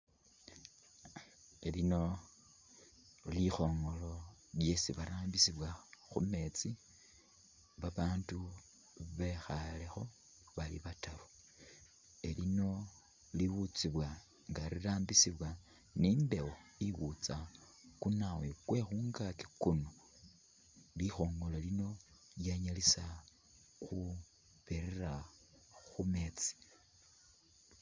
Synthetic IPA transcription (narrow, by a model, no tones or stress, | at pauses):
elino̞ | lixo̞ːŋɡo̞lo̞lje̞siβaɾaːmbisiβwaxṵme̞t͡si | βaβaːntu | βe̞xale̞xo̞ | βalḭβataɾu | elino̞ | liwut͡siβwa | ŋɡaɾiraːmbisiβwa | nimbe̞woiβut͡sa | kunawekwe̞xuːŋɡaki̥kuno | lixo̞ːŋɡo̞lalino̞ | ljaɲalisa | xu | βeɾera | xume̞t͡si̥